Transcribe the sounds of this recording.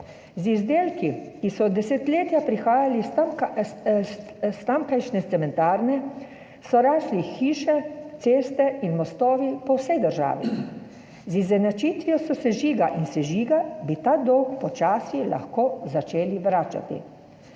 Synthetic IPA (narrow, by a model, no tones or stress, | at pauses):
zizd̪eːlkikisɔd̪ɛset̪leːt̪japɾixaːjali | st̪amkajʃnɛt̪sɛmɛnt̪aːɾnɛ | sɔɾaːslixiːʃɛt̪seːst̪ɛinmɔst̪ɔːʋipɔwsɛjd̪əɾʒa̰ːʋḭ | zizɛnat͡ʃiːt̪ʋijɔsɔsɛʒiːɡaʔinsɛʒiːɡabit̪aːd̪ɔwkpɔt͡ʃaːsila̰xkoːzat͡ʃeːliʋɾaːt͡ʃa̰t̪ḭ